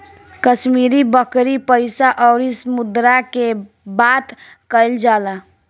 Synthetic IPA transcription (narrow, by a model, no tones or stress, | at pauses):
kəʃmiɾibəkɾipəɪsaʔɔɾisəmʊd̪ɾake | bat̪ | kəɪld͡ʒaːla